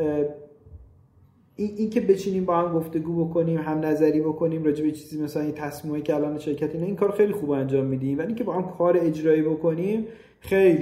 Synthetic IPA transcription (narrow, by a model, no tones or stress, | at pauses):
iʔincʰe̞be̞t͡ʃʰiːniːmbɒːhæmɡo̞ft̪e̞ɡuːbo̞kʰo̞niːmɦæmnæzæɾiːbo̞kʰo̞niːmɾɒːd͡ʒebet͡ʃʰiːziːmæsælænjet̪ʰæsmiːmecʰeælɒːneʃe̞ɾcʰæt̪ʰeiːnɑiːŋkʰɒːɾoxejlixuːbænd͡ʒɒːmːiːd̪iːmvæiŋcʲʰebɒːhæmkʰɒːɾeed͡ʒɾɒːiːbokʰo̞niːm | xej